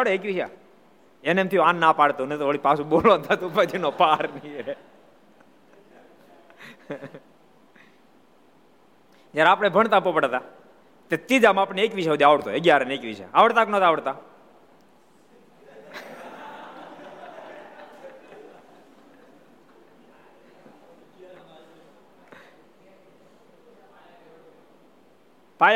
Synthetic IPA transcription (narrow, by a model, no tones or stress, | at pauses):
aɽeekʋiʃa̰ | enemt̪ʰioãnːapaɽt̪unet̪oʋəɭipasũɓolʋãnt̪ʰat̪ũpət͡ʃʰinopaɾnie | d͡ʒjaɾapɽ̃ebʱəɳt̪ãpːopəɽat̪a | t̪at̪id͡ʒ̪amapəɳeekʋiʃaud̪iaʋəɽt̪oeɡjaɾənekʋiʃa̰aʋəɽt̪aknət̪aʋəɽt̪a | paj